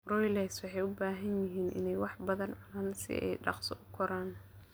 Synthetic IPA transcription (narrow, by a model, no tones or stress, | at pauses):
rɔːjlɛjswɑħɑjʊbaːɦɐnjɪɦiːnʔɪ̰nɛjwɑħbɐðɐnʕʊnaːnsɪ̰ɛ̰jɖɑ̰qsɔ̰ʔʊkʰɔɾaːn